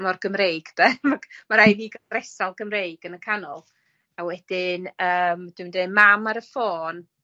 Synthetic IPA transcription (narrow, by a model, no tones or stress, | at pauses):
mɔrɡəmrejɡ̥d̥ɛmamaɾajviːɡaɾɛsalˠɡəmrejɡ̥ənəkʰanɔ̰lˠ | awɛd̥ɪnəːmd̥umndemamaɾəfoːn